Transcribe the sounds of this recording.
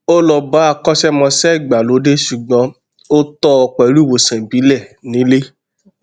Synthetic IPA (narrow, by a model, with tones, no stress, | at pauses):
o˦lɔ˧ba˨˦a˦˧˨kɔ˦ʃɛ˦mɔ̃˧sɛ˦˨ɡ͡ba˨lo˨˦de˦ʃu˨ɡ͡bɔ̃˨˦ | o˦tɔ˦ɔ˧k͡pɛ˨ɾu˦˨wo˨sɛ̃˨bi˨˦lɛ˦˨nĩ˨˦le˦